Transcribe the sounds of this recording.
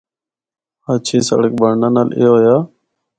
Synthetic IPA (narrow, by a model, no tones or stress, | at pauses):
haːt͡ʃʰeːsə̰ɽək̚bəɾnaːnaːlḛːɦoːjaː